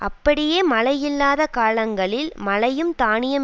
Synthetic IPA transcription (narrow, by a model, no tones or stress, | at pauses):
ʔɐpːɐɽɪjeːmɐɭɐjɪlːaːðɐkaːlɐŋɡɐɭɪlmɐlɐjɯmt̪aːɳɪjɐm